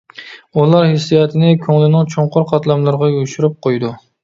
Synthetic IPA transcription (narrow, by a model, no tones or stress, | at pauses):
ulˠɑɾhɪsːijɑt̪ʰɪnɪkʲʰøŋlɪnɪŋt͡ʃʰoɴqʰʊɾqʰɑt̪lˠamlaɾʁɑoʃuɾɪp̚qʰojd̪ʊ